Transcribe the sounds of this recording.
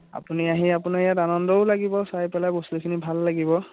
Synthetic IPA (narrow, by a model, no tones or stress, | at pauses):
a̰puniaɦiapunajatanɔndɔʊlaɡibɔsajpɛlaboslikʰinibʱalːaɡibɔ